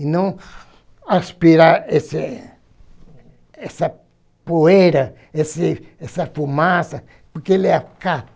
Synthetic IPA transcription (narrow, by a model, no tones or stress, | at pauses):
inõ | aspiɾaese | esa | poeɾa | esiesafumasa | poɾkeleaka